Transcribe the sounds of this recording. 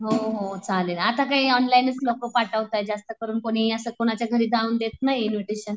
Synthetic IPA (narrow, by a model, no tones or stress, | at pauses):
ɦoɦot͡salenat̪akaɦiːɔnlainət͡slokopaʈəʋt̪ajd͡zast̪əkəɾuːnkoɽ̃iəsəːkoɽ̃at͡ɕjaɡʱəɾiːd̪ʱauːnd̪et̪̚naɦjinʋiʈiɕən